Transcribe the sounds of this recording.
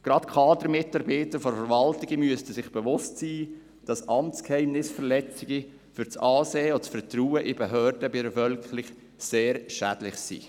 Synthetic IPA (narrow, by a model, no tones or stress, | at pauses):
ɡ̥ɾɑtkʰɑːdəɾmɪtɑɾbiːtəɾfɔɾfəɾvɑltɪɡəmyəstəsɪχb̥ɛvʊstsiː | d̥ɑsʔɑmt͡skhɛɪmnɪsfəɾlɛt͡sɪɡi | fyɾt͡sɑːseːɔt͡sfərtruːəʔɪbeɦøːɾdəbiɾəfœlkχlɪχ | seːɾʃæd̥lɪχsḭː